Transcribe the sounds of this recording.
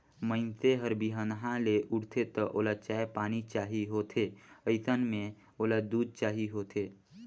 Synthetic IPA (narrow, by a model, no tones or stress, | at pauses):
məɪnt̪eɦəɾbiɦənɦãleʔʊɽt̪ʰet̪əʔoːlat͡ʃaːepaːnit͡ʃaːɦiɦoːt̪ʰeəɪt̪ənmẽ | oːlad̪uːd̪̚t͡ʃaːɦiɦoːt̪ʰe